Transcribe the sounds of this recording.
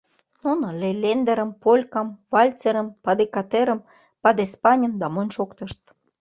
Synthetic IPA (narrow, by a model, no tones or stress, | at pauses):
nunŏlelʲend̪eɾə̆mpolʲkɑmvɑlʲt͡seɾə̆mpɑd̪ekɑt̪eɾə̆m | pɑd̪espɑnʲəmd̪ɑmonʲʃokt̪ə̆ʃt̪̚